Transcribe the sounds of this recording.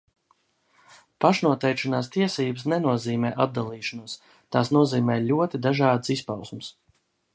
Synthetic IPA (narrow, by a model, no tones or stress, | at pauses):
paʃnuɔt̪ɛjkʃanaːst̪iɛsiːbɨsnɛnuɔziːmɛːʔad̪̚d̪alˠiːʃanuɔs | t̪aːsnuɔziːmɛːlʲuɔt̪id̪aʒɑːd̪sispawsums